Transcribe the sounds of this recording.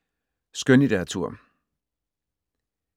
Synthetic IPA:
sɡ̥ønid̥æɐt͡sʰuɐ̰

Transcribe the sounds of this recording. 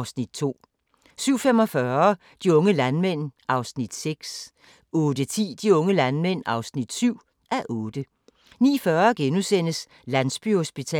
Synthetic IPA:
ʊsnid̥̚t͡sʰo̝̰ː | syʊ̰fem̰ɒ̽fɶɐ | d̥iɔ̽ŋəlænmen̰ʔɑ̈ʊsnid̥seɡ̥s | ɔ̽ːd̥ət͡sʰḭːd̥iɔ̽ŋəlænmen̰ɑ̈ʊsnid̥syʊ̰ | ʔæʔɔ̽ːd̥ə | nḭːfɶɐɡ̥enusen̰əs | lænsb̥yhosb̥it͡sʰɛ̰

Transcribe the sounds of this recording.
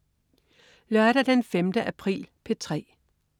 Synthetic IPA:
lɶɐɾ̥ɐd̥enfemd̥əʔæpʰʁḭːlpʰe̝t͡sʰʁɛ̰ː

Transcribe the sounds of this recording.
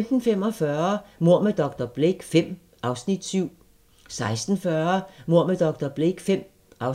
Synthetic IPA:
md̥n̩fem̰ɒ̽fɶːɐmo̝ɐ̰med̥ɒ̽ɡ̥d̥ɐb̥leɡ̥fem̰ | ʔɑ̈ʊsnid̥syʊ̰ | sɑ̈ɪsd̥n̩fɶːɐmo̝ɐmed̥ɒ̽ɡ̥̚d̥ɐb̥leɡ̥fem̰ | ʔɑ̈ʊ

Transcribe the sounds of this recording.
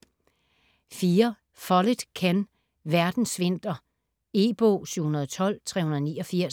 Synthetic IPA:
fiːɐ | fɒled̥kʰæn | ʋæɐd̥n̩sʋe̝n̰d̥ɐ | e̝b̥o̰ɕyʊ̰hunɐð̞ˠɒt͡sʰɒ̽l̰t͡sʰʁɛhunɐðˠnḭːɒ̽fiɐ̰s

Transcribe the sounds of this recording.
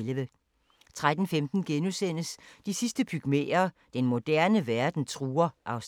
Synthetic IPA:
lʋə | t͡sʰʁad̥n̩femd̥n̩ɡ̥enusen̰əsd̥isisd̥əbʰyɡ̥mḛːɐːd̥enmo̝d̥æɐnəʋæɐd̥n̩t͡sʰʁuːɐʔɑ̈ʊs

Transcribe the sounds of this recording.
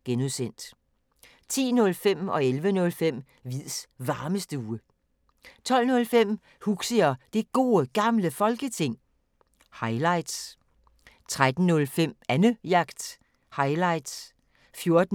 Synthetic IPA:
ɡ̥enusen̰d̥ | t͡sʰḭːnɔ̽lfem̰ɒ̽elʋənɔ̽lfem̰ | ʋið̰ˠsʋɑ̈ːməsd̥əuːə | t͡sʰɒ̽l̰nɔ̽lfem̰ | huɡ̥səɐd̥e̝ɡ̥o̝̰ːəɡ̥ɑ̈mləfɒ̽lɡ̥ət͡sʰe̝ŋ̰ | hɑ̈ɪlɑ̈ɪ̰d̥s | t͡sʰʁad̥n̩nɔ̽lfem̰ænəjɑ̈ɡ̥d̥ | hɑ̈ɪlɑ̈ɪd̥s | fjo̝ɐd̥n

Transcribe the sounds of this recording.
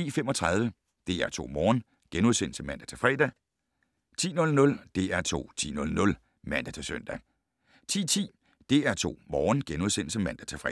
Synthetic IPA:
ḭːfem̰ɒ̽t͡sʰʁɑ̈ð̞ˠʋə | d̥e̝æɐt͡sʰo̝̰ːmɒːn | ɡ̥enuðˠsen̰l̩səmænd̥æ̥t͡sʰe̝lfʁɛ̰ːd̥ɛ | t͡sʰḭːnɔ̽lnɔ̽ld̥e̝æɐt͡sʰo̝̰ːt͡sʰḭːnɔ̽lnɔ̽l | mæn̰d̥æt͡sʰe̝søn̰d̥æ | t͡sʰḭːt͡sʰḭː | d̥e̝æɐt͡sʰo̝̰ːmɒːnɡ̥enuð̞ˠsenl̩səmæn̰d̥æt͡sʰe̝fʁɛ̰

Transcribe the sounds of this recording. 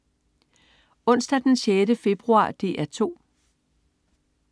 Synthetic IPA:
ɔ̽n̰sd̥æd̥enɕeːdəfe̝b̥ʁuɑ̰̈ːd̥e̝ːæɐt͡sʰo̝̰ː

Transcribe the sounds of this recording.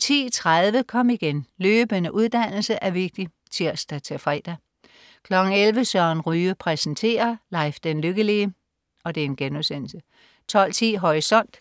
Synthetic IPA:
t͡sʰḭːt͡sʰʁaðˠʋəkʰɒ̽m̰iɡ̥enløːb̥ənəʔuð̞ˠd̥æn̰l̩səʔæɐʋe̝ɡ̥̚d̥i | t͡sʰiɐ̰sd̥æt͡sʰe̝fʁɛ̰ːd̥ɐ | kʰlɒ̽ɡ̥ŋ̩elʋəsɶɐnʁyːəpʰʁɛsn̩t͡sʰe̝̰ːɐlɑ̈ɪfd̥enløɡ̥əliə | ɒ̽d̥e̝æɐe̝nɡ̥enuðˠsen̰l̩sə | t͡sʰɒ̽l̰t͡sʰḭːɦɒʁisɒ̽n̰d̥

